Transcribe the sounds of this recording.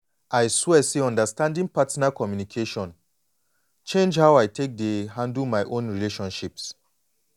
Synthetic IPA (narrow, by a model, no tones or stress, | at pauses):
ʔajswɛseɔ̃ndəstãndĩŋpatinakɔmjunikʰeʃɔ̃n | t͡ʃẽnd͡ʒhaʊajtʰek̚deɦãndlmaɪʔõnɹileʃɔ̃nʃips